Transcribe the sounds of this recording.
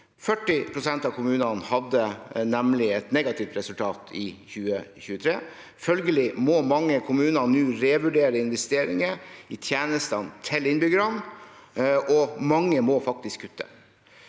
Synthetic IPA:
fœʈːɪpʰɾʊsɛnt̪ɑʋkʰʊmʉːnɑnhɑd̪ənɛmlɪɛt̪nɛɡɑt̪ʰɪft̪ɾɛsʉlt̪ʰɑːt̪ʰɪçʉːəçʉːət̪ʰɾeː | fœlɡəlɪmomɑŋːəkʰʊmʉːnɑnʉːɾɛʋʉɖeːɾəɪnʋɛst̪eːɾɪŋəɪt̪ʰjeːnəst̪ɑnt̪ʰɪlɪnbʏɡəɾɑn | ɔmɑŋːəmɔfɑk̚t̪ɪskʰːʉt̪ʰːə̰

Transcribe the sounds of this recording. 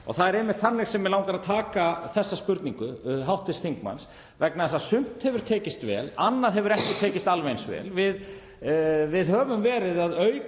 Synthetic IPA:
ɔ̰ɣθaðɛɾɛːmːɪt̪θanːɪɾ̥sɛmːɛlaːwŋkaɾaðt̪ʰaːkaθɛsːaspʏɾt̪niŋkʏɦawht̪ɪst̪θiŋkma̰ns | vɛknaðɛsasʏm̥t̪hɛvʏɾ̥t̪ʰɛːcɪst̪vɛ̰ːlanːaðɦɛvʏɾɛhcɪt̪ʰɛːcɪst̪alvejnsvɛ̰ːlvɪð | vɪðhœːvʏmvɛːɾɪðaðœɥ

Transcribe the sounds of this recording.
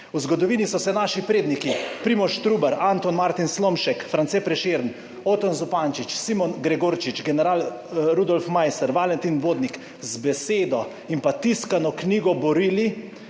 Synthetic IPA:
uzɡɔd̪ɔʋiːnisɔsɛnaʃipɾeːd̪nikipɾiːmɔɾʃt̪ɾuːbɛɾant̪ɔnmaɾt̪inslomʃɛkfɾantsɛpɾɛʃeːɾn | ot̪ɔnzupant͡ʃit͡ʃsimɔnɡɾɛɡoɾt͡ʃit͡ʃɡɛnɛɾaːl | ɾud̪ɔlfmajsɛɾʋalɛnt̪inʋoːd̪nik | zbɛseːd̪ɔ | impat̪iskanɔkniːɡɔbɔɾiːli

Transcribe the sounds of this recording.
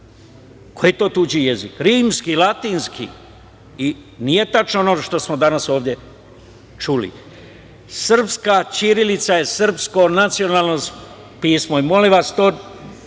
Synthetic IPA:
kojet̪o̞ːt̪ud͡ʑijezikɾiːmskilat̪iːnskʰḭ | inije̞t̪at͡ʃnoonoːʃt̪o̞smod̪anaso̞ːʋd̪je̞ | t͡ʃulḭ | sr̩pskat͡ʃiɾilit̪saje̞sr̩psko̞nat̪sio̞naːlˠno | piːsmoimo̞liʋast̪oː

